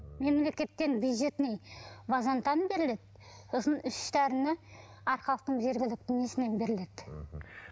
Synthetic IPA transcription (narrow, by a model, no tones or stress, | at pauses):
me̞mle̞kʲe̞t̪ːe̞nbjujd̪ʒe̞t̪nejvɑzɑnt̪ɑnbe̞ɾɪle̞d̪ | osənʏsʃt̪ʰæɾɪnɪ | ɑɾχɑlˠəq̚t̪əɴze̞ɾɡʲɪlɪk̚t̪ɪŋesɪne̞nbe̞ɾɪle̞d̪̥